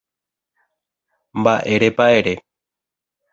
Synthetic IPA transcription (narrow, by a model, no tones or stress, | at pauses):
mbaʔeɾepaeɾe